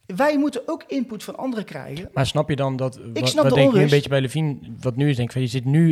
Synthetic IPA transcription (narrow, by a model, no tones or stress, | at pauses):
ʋɛjmutənowkɪnputfɑnɑ̰ndərəkrɛ̰jɣənmaːɹsnɑpjədɑndɑtɪsnɑpdədɛknəmbetjəbɛjləvinʋɑtnyɪsdɛ̃ŋkɪkfnjəzɪtny